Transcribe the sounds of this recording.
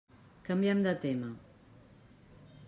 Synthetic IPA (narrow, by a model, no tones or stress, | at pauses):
kɐmbjamd̪ət̪ema